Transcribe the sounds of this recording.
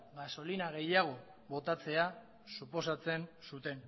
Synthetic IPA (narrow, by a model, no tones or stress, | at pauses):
ɡaso̞linaɣe̞jaɣ̞o̞ | βo̞t̪at͡se̞a | supo̞sat͡se̞nsut̪e̞n